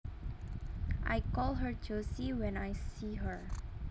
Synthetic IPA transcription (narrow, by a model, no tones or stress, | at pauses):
ʔa̰jkɔlˠɦəɹtʰusiwɛ̃najsiɦəɹ